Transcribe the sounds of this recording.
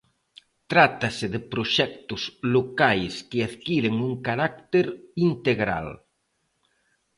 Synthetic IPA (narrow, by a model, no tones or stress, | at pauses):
t̪ɾat̪asɪðɪpɾoʃɛk̚t̪ʊslokajskɪaðkiɾɪŋuŋkaɾak̚t̪eɾint̪eɣɾa̰l